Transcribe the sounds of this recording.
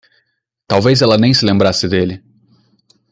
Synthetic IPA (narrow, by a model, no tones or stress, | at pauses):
t̪awvejzɛlɐnẽj̃sɪlẽmbɾasɪd̪elɪ